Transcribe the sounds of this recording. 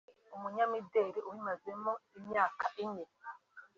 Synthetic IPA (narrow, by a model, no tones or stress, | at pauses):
umuɲamideɾiuwimazemoimɲaːkaʔiɲe